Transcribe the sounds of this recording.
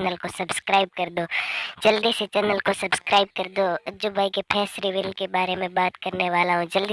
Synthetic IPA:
nəlkosɐbskɾaːɪb̚kɐɾd̪oːd͡ʒɐld̪iset͡ʃɛːnəlkosɐbskɾaːɪb̚kɐɾd̪oɐd͡ʒʊbaːikepʰɛːsɾiʋɪlkebaːɾemẽbaːt̪kɐɾneʋaːlaɦõd͡ʒɐld̪i

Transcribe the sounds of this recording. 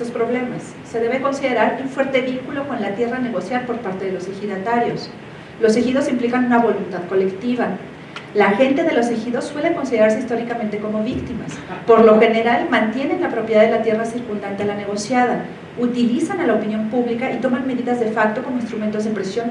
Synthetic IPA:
ospɾo̞βle̞masːe̞ðe̞βeko̞nsiðe̞ɾaɾuɱfwe̞ɾt̪eβiŋkulo̞ko̞nlat̪je̞rane̞ɣo̞sjaɾpo̞ɾpaɾt̪eð̞e̞lo̞sexiðat̪aɾjo̞s | lo̞sexið̞o̞simplikanũnaβo̞lunt̪aðko̞le̞kt̪iβa | laxe̞nt̪e̞ðe̞lo̞sexiðo̞sːwe̞leko̞nsið̞eɾaɾs̬e̞ist̪o̞ɾikamẽnt̪eko̞mo̞βikt̪imaspo̞ɾlo̞xe̞ne̞ɾalmãnt̪je̞ne̞nlapɾo̞pjeðaðelat̪je̞rasiɾkund̪ant̪e̞alane̞ɣo̞sjað̞a | ut̪ilisanalaopinjo̞mpuβlikaʔit̪o̞manme̞ðiðazðe̞fak̚t̪o̞komo̞ĩnst̪ɾument̪o̞zðepɾe̞sjo̞n

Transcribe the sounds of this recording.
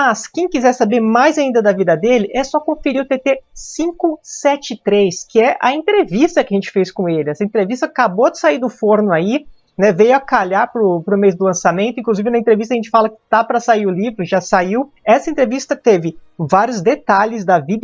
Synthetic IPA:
ɐskẽj̃kizɛɾsabeɾmajzaĩnd̪ɐd̪ɐvid̪ɐd̪elɪʔɛsɔkõfeɾiʊt̪et̪esĩkʊsɛt͡ʃɪt̪ɾejskɪɛʔɐ̰ẽnt̪ɾevist̪ɐkɪaʒẽnt͡ʃɪ̥fejskõelɪɛsɐẽnt̪ɾevist̪ɐkabod̪ɪ̥saiɾd̪ʊfoɾnʊai | nɛvejʊɐkaʎaɾpɾʊpɾʊmejzd̪ʊlɐ̃samẽnt̪ʊĩkluzivɪnɐẽt̪ɾevist̪ɐʒẽnt͡ʃɪ̥falɐkɪ̥t̪apɾɐsaiɾʊlivɾʊʒasaiw | ɛsɐẽnt̪ɾevist̪ɐt̪evɪvaɾjʊzd̪et̪aʎɪzd̪ɐvid̪

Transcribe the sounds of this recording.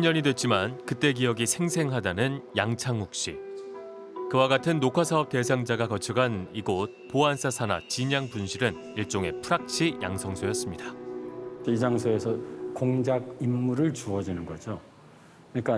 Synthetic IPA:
ɲʌɲidwet̚t͡ɕ͈imankɯt͈e̞ɡijʌɡisʰe̞ŋsʰe̞ŋɦadanɯnjaŋt͡ɕʰaŋhuk̚ɕ͈i | kɯwaɡatʰɯnːokʰwasʰaʌp̚t͈e̞sʰaŋd͡ʑaɡakʌt͡ɕʰʌɡaniɡot̚poansʰasʰana̰t͡ɕiɲaŋpunɕʰiɾɯn | iɭt͡ɕ͈oŋe̞pʰuɾak̚t͡ɕʰija̰ŋsʰʌŋsʰojʌs͈ɯmɲida | t͡ɕoid͡ʑaŋsʰoesʰʌkoŋd͡ʑaɡ̚imːuɾɯɭt͡ɕuʌd͡ʑinɯnɡʌd͡ʑo | kɯɲik͈a

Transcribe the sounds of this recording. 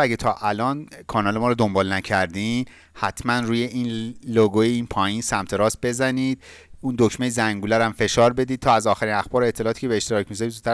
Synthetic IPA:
æɡet̪ʰɒːʔælɒːnkʰɒːnɒːlemɒːɾɔd̪o̞mbɒːlnæcʰæɾd̪in | hæt̪ʰmænruːje̞ʔiːnloɡojeiːnpʰɒːjinsæmt̪ʰeɾɒːst̪̚be̞zæniːd̪̥̚ | uːnd̪ocmejzæŋɡuːlæɾæmfe̞ʃɒːɾbe̞d̪iːd̪̚t̪ʰɒːæzɒːxæɾinæxbɒːɾoet̪ʰːelɒːt̪iːcʰebeeʃt̪e̞ɾɒːcʰmizizut̪ʰːæ

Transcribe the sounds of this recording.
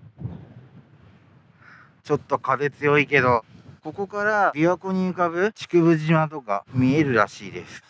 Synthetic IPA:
t͡ɕo̞t̪ːo̞kad̪e̞t͡sɨjo̞ike̞d̪o̞ko̞ko̞kaɾabʲiako̞ɲ̟iɯ̟kabɯ̟t͡ɕi̥kɯ̟βɯ̟ʑimat̪̬o̞ka̰mʲie̞ɾɯ̟ɾa̰ɕiːd̪e̞sɨ̥

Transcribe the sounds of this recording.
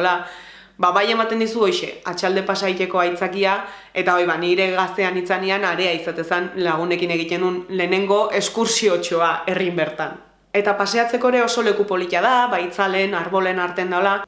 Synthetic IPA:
la | baβaje̞mat̪e̞nd̪isuo̞jʃe̞at͡ʃald̪e̞pasajt̪e̞ko̞ajt͡sakia | e̞t̪ao̞jβaniɾe̞ɣast̪e̞anit͡sanianaɾe̞aisat̪e̞sanlaɣ̞une̞kine̞ɣ̞it̪e̞nunle̞ːne̞ŋɡo̞ʔe̞skuɾsio̞t͡ʃo̞ae̞rimbe̞ɾt̪an | e̞t̪apase̞at͡se̞ko̞eɾe̞o̞so̞le̞kupo̞lit̪iað̞aβajt͡sale̞naɾβo̞le̞naɾt̪e̞nd̪aola

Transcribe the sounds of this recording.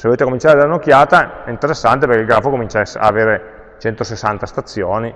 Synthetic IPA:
seoleːt̪eakːomint͡ʃaːɾed̪elanokːjaːt̪aɛint̪eɾesːant̪eperkeilɡɾafːokomint͡ʃasa̰ːveːɾe | t͡ʃɛnt̪osesːant̪ast̪at̪sːjoːni

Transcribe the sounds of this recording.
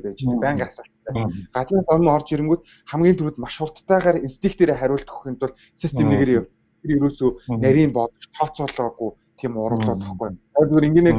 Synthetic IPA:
peːt͡ɕipæːɴɢasə̆ɬt̪t̪ʰæːɢat̪naːsɔn̆ʲŋɔrt͡ɕiɾɘ̆ŋɡujt̪̚ | χæmɡʲiːnt̪ʰuɾɘ̆t̪maʃʊr̥t̪ːæːʁaːrinst̪ʰiːkt̪eːɾeːχæɾʲʊːɬt̪xɵ̥xʲiːnt̪ʊ̆ɮ | sist̪ʰemt̪eɣeːrjaw | teɾjeɾoːsoːnæɾʲiːmpɔt̪ɞ̆t͡ɕt̪ʰɔt͡sɔɮɔːɣuj | t̪ʰiːmʊɾə̆ɮʊːt̪ə̆χɡujt̪ʰat̪ɣeːɾiŋɡeːne

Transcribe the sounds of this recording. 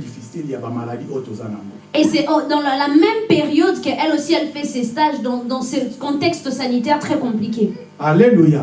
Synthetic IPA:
difisiljabamaladiʔot̪ozanamɔ | esɛʔod̪ɑ̃llamɛmpeʁijɔd̪kəʔɛlosiɛlfɛsɛst̪aʒd̪ɑ̃d̪ɑ̃sekɔ̃t̪ɛkst̪əsanit̪ɛʁt̪χɛkɔ̃plik̬ʲe | aleluja

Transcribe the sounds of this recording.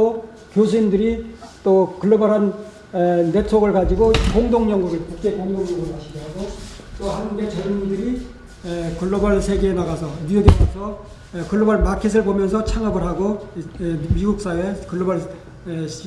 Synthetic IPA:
o | kjos̬ʰuindɯɾit͈okɯɭːobʌɾɦanː | e̞t͡sʰoɡɯɭkad͡ʑiɡokoŋdoŋɲʌŋɡuɡekuk̚t͡ɕ͈e̞koŋdoŋɲʌŋuɡɯɭnaɕʰidʌɾaɡot͈ohaude̞t͡ɕeɾmundɯɾi | kɯɭːobʌɭsʰeɡeːnaɣasʰʌnueɡepʰosʰʌ | kɯɭːobʌɭmakʰes̬ʰɯɭpomjʌnsʰʌt͡ɕʰaŋabɯɭɦaɡo | miɡuk̚s͈awekɯɭːobʌɭ

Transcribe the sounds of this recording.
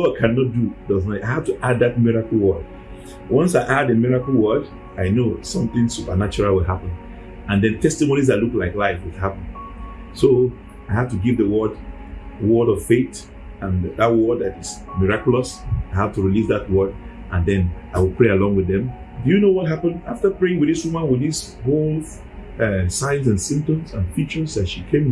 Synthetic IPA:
soakʰãnɔt̚dudʌznaaɪhav̥tuʔad̪̚ðat̚miɹakl̩ˠwɜd̥̚ | wʌ̃nsaɪʔadəmiɹakəl̩ˠwɜd | aɪnosʌ̃mθɪ̃ŋsupənat͡ʃɔɹalˠwɪlɦapə̃n | ãnðɛ̃ntʰɛstimonizðatluklaɪklaɪfwɪdhapə̃n | so | aɪhavtuɡivðəwɜ˞d | wɔɾɔv̥feɪt | ə̃nðat̚wɔd̚ðatɪz | miɹakjuləsaɪhad̚tuɹilisðat̚wɜ˞d | ʔə̃nðɛ̃naɪwɪlˠpʰɹealɔ̃ŋwɨðɛ̃m | dɨjɨnowɔt̚ɦapə̃naftəpɹeɪ̃ŋwɨððiswumə̃nwɪððis | holˠ | ɛsãɪ̃nz̬ãnsɪ̃mtə̃msãnfit͡ʃə˞zðatʃikʰẽm

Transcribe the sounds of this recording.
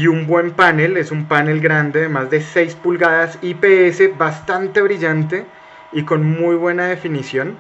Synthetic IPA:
iumbwe̞mpane̞le̞sumpane̞lɡɾand̪e̞ðemazd̪e̞se̞jspulɣaðasipe̞ese̞βast̪ant̪e̞β̞ɾiʝant̪e̞ | iko̞nmujβwe̞naðe̞finisjo̞n

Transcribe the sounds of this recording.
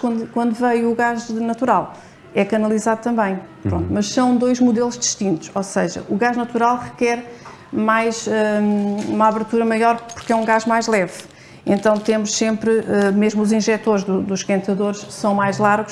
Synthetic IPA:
kwɐ̃nd̪ukwɐ̃nd̪uvɐjuɣaʒnɐt̪uɾalˠ | ɛkɐnɐlˠizaðut̪ɐ̃mbɐ̃j̃pɾõnt̪umɐʃsɐ̃w̃d̪ojʒmuðelˠuʒd̪ɨʃt̪ĩnt̪u̥ʃosɐʒɐ̰ʔuɣaʒnɐt̪uɾalˠʁɨkɛɾ | majʒɛumaβɨɾt̪uɾɐmɐjɔɾpuɾkɛũɡaʒmajʒlˠɛv | ẽnt̪ɐ̃w̃t̪emuʃsẽmpɾɨɛmeʒmuzĩʒɛt̪oɾʒðud̪uʃkɐ̃nt̪ɐðoɾʃsɐ̃w̃majʒlˠaɾɣuʃ

